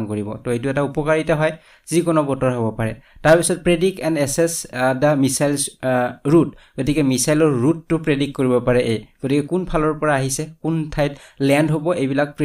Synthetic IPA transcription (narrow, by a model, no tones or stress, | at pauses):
mkoɹibɔ̰tɔejt̬uɛtaupɔkaɹitaɦɔj | z̥ikɔnɔbɔtɔɹɦobɔpaɹɛtaɹpisɔt̚pɹedikɛndɛsɛsdamisajlsɹutɡ̥otikɛmisajlɔɹːutːʊpɹedikkːoɹibɔpaɹɛʔejɡ̥otikɛkunpʰalɔɹpɔɹaːɦisɛkuntʰajtlɛndɦobɔejbilak̚pɹ